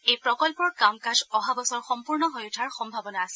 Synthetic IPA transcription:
ejpɹɔkɔlpɔɹkamkazɔɦabɔsɔɹxɔmpuɹnɔɦojutʰaɹxɔmbʱabɔnaːsɛ

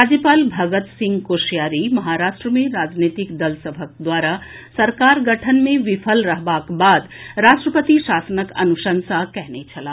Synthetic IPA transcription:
ɾɾad͡ʒjəpaːlbʱɐɡət̪sɪ̃ŋɡkoʃjaːɾimɐɦaɾaːʂʈɾəmẽɾaːd͡ʒnet̪ikd̪ɐlsəbʱək̚d̪waːɾa | sɐɾkaːɾɡɐʈʰənmẽʋɪpʰəlɾɐɦbakbaːd̪ɾaːʂʈɾəpət̪iʃaːsənəkɐ̰nuʃənsakɛɦnet͡ʃʰɐla

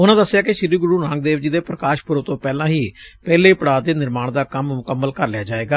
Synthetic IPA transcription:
ʊnãːd̪əsːɪjaːkɪʃɪɾiːɡʊɽuːɾãːŋɡ̚d̪eːʋd͡ʒiːd̪eːpɾəkaːʃpʊɾəʋt̪õːpɛːlãːɦiːpɛːleːpəɽaːd̪eːnɪɾmaːɳd̪aːkəmmʊkəmːəlkəɾlɪjaːd͡ʒaːeːɡaː

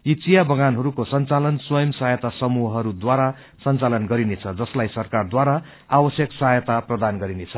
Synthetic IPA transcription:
it͡sijabʌɡanɦʌɾukosʌnt͡salʌnswʌjʌmsʌɦjʌt̪asʌmuɦɦʌɾud̪waɾa | sʌnt͡salʌnɡʌɾinet͡sʰʌd͡zʌslajsʌrkard̪waɾa | abʌsjʌksʌɦajʌt̪aprʌd̪anɡʌɾinet͡sʰʌ

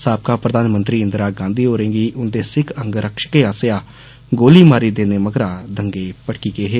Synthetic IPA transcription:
saːb̚kaːpɾəd̪aːnmənt̪ɾiːɪ̃nd̪ɾaːɡãːnd̪iːɦoːɾẽːɡiːʔʊnd̪eːsɪkʰəŋɡɾəkʃəkeːaːsejaː | ɡoːliːmaːɾiːd̪eːneːməɡɾaːd̪əŋɡeːpəɽkiːkeːɦeː

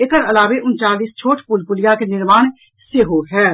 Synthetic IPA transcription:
ekəɾɐlaːʋeʔʊnt͡ʃaːliːst͡ʃʰoːʈʰpʊlpʊlɪjakenɪɾmaːɽ̃ | seɦoɦɛː

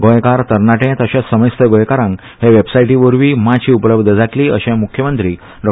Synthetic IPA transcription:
ɡojkaɾt̪əɾɳaʈẽt̪əɕãsəməjst̪ʰəɡõjkaɾãŋk | ɦeʋebsajʈĩʋəɾʋiːmat͡ɕiːupləbd̪ʱəd͡zʱaʈliːə̰ɕẽmukʰjəmənt̪ɾiː | ɖɔ

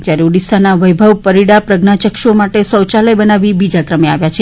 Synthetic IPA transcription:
d͡ʒjaɾeuɽisanaʋəjbʱəʋpəɾiɽapɾəɡnat͡ʃəkʃomaʈesəwt͡ʃaləjbənaʋibid͡ʒakɾəmeaʋjat͡ʃʰe

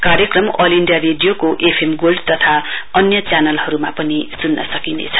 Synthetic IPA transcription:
kaɾjʌkrʌmʌliɳɖijareɖijokoʔepʰemɡolɖt̪ʌt̪ʰaʌnjʌt͡sjanʌlhʌɾuma̰pʌnisunːʌ̰sʌkinḛt͡sʰʌ̥

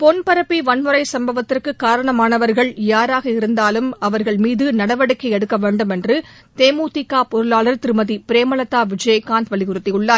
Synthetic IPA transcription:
pɔnpɐɾɐpːiʋɐnmɯɾɐɪsɐmbɐʋɐt̪ːɪrkɯkːaːɾɐɳɐmaːnɐʋɐɾɣɐɭjaːɾaːɣɐɪɾɯnd̪aːlɯmɐʋɐɾɣɐɭmiːðɯnɐɽɐʋɐɽɯkːɐɛɽɯkːɐʋeːɳɖɯmɛndrɯ | t̪eːmuːt̪ɪkːaːpɔɾɯlaːlɐɾt̪ɪɾɯmɐðipɪɾeːmɐlɐt̪ːaːʋɪd͡ʒɐjɐkːaːnd̪ʋɐɭɪɣʊɾɯt̪ːɪjʊɭːaː

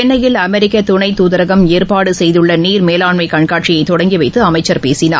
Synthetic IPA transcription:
ɛnːɐjɪlɐmɛɾɪkːɐt̪ʊɳɐɪt̪ːuðɐɾɐɣɐmeːɾpaːɽɯsɛjðɯɭːɐniːɾmeːlaːɳmɐɪkɐɳkaːʈt͡ʃɪjɐɪt̪ːɔɽɐŋɡiʋɐɪt̪ːɯɐmɐɪt͡ʃːɐɾpeːsɪna̰ː

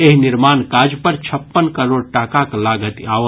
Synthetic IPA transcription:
eɦnɪɾmaːnkaːd͡ʒpəɾt͡ʃʰəpːənkəɾoːɽʈaːkaklaːɡət̪a

